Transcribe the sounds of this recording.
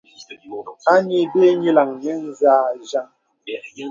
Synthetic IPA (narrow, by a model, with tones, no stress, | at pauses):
a˦ɲi˨be˦ɲi˦la˨ŋnɛ˦n̩˦zaː˦˨ʒa˦˨ŋ